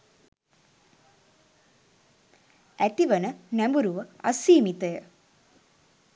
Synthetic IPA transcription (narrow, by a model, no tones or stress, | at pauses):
æt̪iʋənənæmbuɾuʋəɐ̰siːmit̪əjə